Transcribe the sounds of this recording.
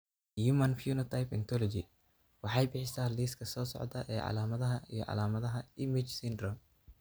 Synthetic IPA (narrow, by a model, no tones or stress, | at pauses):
juːmɐnfjuːnɐt̪ʰajpɛnt̪ʰɔlɔd͡ʒɪ | wɑħɑjbɪħɪsaːliːskʰɐsɔːsɔ̰ʕd̪ɐʔɛːʕɑ̰laːmɐðɐɦɐʔijɔ̰ʕɑ̰laːmɐðɐɦɐɪmɪt͡ʃsɪnd̪rɔm